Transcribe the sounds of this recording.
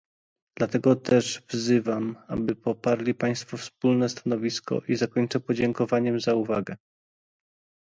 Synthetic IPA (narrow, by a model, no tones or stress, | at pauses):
d̪̥lat̪ɛɡɔt̪ʰɛʐvzɘvama̰bɘpɔpaɾlʲipaj̃st̪fɔfsp̚ulnɛst̪anɔvʲiskɔ̰ʔizakɔɲt͡ʂɛpɔd͡ʑɛŋkɔvaɲɛmzauvaɡɛ